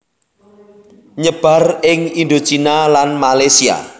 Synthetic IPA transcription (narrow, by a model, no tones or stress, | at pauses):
ɲəb̥a̤rɪŋind̪o̥t͡ʃinalanmalasia̰